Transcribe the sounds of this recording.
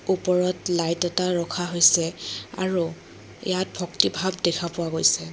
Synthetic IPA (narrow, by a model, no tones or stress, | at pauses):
upɔɹɔtlajtɛtaɹɔkʰaɦojsɛa̰ɹu | ḭjat̚bʱɔktibʱabdɛkʰapʊwaɡojsɛ